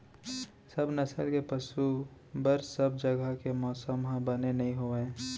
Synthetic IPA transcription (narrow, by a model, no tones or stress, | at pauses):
səbnɐsəlkepɐʃu | bəɾsəb̚d͡ʒəɡəkemɔːsəmɦãbənenɐɦĩɦoẽː